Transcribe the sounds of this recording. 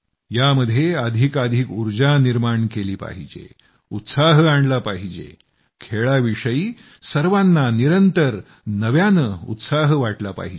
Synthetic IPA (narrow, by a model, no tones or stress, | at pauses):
jaməd̪ʱːjeəd̪ʱikad̪ʱikuɾd͡ʑaniɾmaɳkeliːpa̰ɦid͡ʑḛ | ut̪saɦəaɳɖlapaɦid͡ʑḛ | kʰeɭaʋiʂəiː | səɾʋanːaniɾənt̪əɾ | nəʋjanəṵt̪saɦəʋaʈlapa̰ɦid͡ʑe